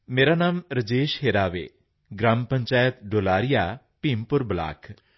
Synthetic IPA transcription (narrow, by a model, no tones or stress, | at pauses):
meːɾaːnaːmɾəd͡ʒeːʃɦeːɾaːʋḛː | ɡɾaːmpəɲt͡ʃaːjət̪ɖoːlaːɾɪjaː | piːmpʊɾbla̰ːkʰ